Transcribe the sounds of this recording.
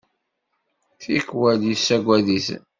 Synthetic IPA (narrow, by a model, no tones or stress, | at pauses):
θikwæljisːæɡʷæðiθ